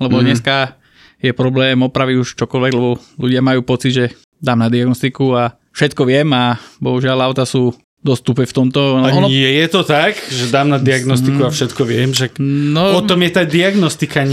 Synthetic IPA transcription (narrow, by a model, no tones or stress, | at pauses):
lɛbɔd̪ɲɛska | jɛpɾɔblɛːmɔpɾaʋiɟuʃt͡ʃɔkɔlʋɛɡlɛbɔluɟɪamajuːpɔt͡sid̪ʒɛ | d̪aːmnad̪iaɡnɔst̪ikua | fʃɛt̪kɔʋɪɛmabɔɦuʒɪalaʊt̪asuː | d̪ɔst̪upɛft̪ɔmt̪ɔɔnɛjɛt̪ɔt̪akʒɛd̪aːmnad̪iaɡnɔst̪ikuafʃɛt̪kɔʋɪɛmʃaknɔpɔt̪ɔmjɛt̪ad̪iaɡnɔst̪ikaɲ